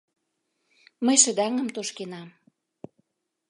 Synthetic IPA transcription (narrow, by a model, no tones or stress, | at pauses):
məjʃə̆d̪æŋə̆mt̪oʃkenɑm